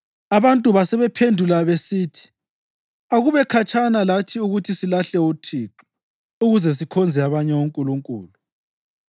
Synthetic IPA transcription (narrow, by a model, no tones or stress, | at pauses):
aβantʼuβasɛβɛpʰendʱulaβesiːtʰi̥ | aɣuβɛkʰat͡ʃʰʼanalatʰiuɣutʰisilaɬɛutʰiːǃɔ | uɣuzɛs̬ikʰɔnd͡zʱɛaβaɲɛwuŋkʼuluŋkʼṵːlu